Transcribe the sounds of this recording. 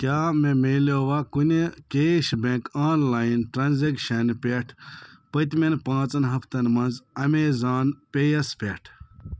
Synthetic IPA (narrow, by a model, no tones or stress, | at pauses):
kʲaːmemeːloːʋaːkunekeːʃbẽːkaːnlaːjinʈɾaːnzekʃɐnpʲeʈʰpɐt̪menpãːt͡sɐnɦɐfʰt̪ɐnmɐnzɐmeːzaːnpʲejɐspʲeʈʰ